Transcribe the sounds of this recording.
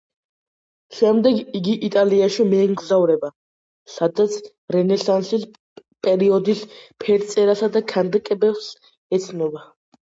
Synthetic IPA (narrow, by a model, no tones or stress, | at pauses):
ʃɛmd̪ɛɡiɡiʔit̪ʼaliaʃimɛːmɡzavɾɛba | sad̪at̪sʰ | ɾɛnɛsansis | pʼɛɾiɔd̪ispʰɛɾt̪sʼɛɾasad̪akʰand̪kʼɛbɛfs | ɛt̪sʰnɔba